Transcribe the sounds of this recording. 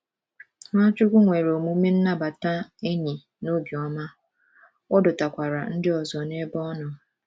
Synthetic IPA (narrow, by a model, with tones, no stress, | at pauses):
ŋʷa˦t͡ʃʊ˦kʷu˦ŋʷe˨ɾo˨mu˦me˦n̩˦na˦ba˨ta˦e˦ɲi˨ | no˦bjɔ˨˦ma˦ | ɔ˦dʊ˨ta˨kʷa˨ɾa˨n̩˦dɪ˦ɔ˨zɔ˨ne˦bɔ˦nɔ˨